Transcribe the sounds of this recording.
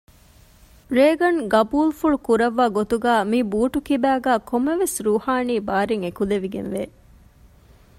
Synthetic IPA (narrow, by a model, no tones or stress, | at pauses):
ɾeːɡɐnɡɐbuːlfuɭukuɾɐʋːaːɡot̪uɡæːmibuːʈukibæːɡæːkʰomːɐʋesɾuːhaːniːbaːɾeŋekuleʋiɡḛnʋeː